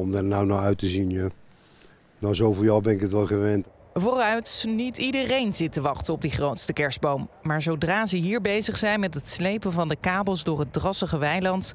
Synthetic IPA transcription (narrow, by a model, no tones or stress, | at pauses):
ɔmdarnawnawœɥtəzinja | nazowvʊːɹjawbɛnɪkətʋɛlˠχəʋɛnt | vʊːrœɥtnitidərejnzɪtəʋɑχtənɔb̚diχrowtstəkɛɹzd̚bowmːaːɹzowdraːzəɦiːɹbejzəχsɛjnmɛtɦətslejpənvɑndəkaːbəlˠzdʊːɹɦət̚drɑsəχəʋɛjlɑnt